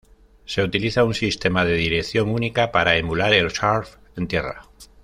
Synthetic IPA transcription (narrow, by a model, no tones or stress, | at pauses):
se̞ut̪iliθaunsist̪e̞maðe̞ðiɾekθjo̞ŋunikapaɾaemulaɾe̞lʃaɾf | ent̪je̞ra̰